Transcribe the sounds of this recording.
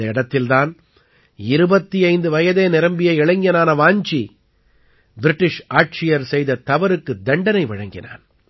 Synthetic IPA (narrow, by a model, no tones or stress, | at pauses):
ɐɪɽɐt̪ːɪlt̪aːn | ɪɾɯbɐt̪ːiɐɪnd̪ɯʋɐjɐðeːnɪɾɐmbɪjɐɪɪɭɐŋɡɐnaːnɐʋaːɲt͡ʃi | bɪɾɪʈːɪʂaːʈ̚t͡ʃɪjɐɾsɛjðɐt̪ɐʋɐɾɯkːɯd̪ɐɳɖɐnɐɪʋɐɻɐŋɡɪna̰ːn